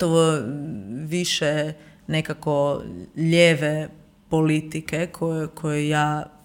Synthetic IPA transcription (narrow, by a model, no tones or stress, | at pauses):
t̪oʋo | ʋiʃenekakoʎeʋe | polit̪ikekʰojkʰojejaː